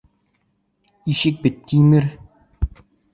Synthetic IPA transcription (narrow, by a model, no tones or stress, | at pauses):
iɕɘk̚bɘ̆t̪ːimɘɾ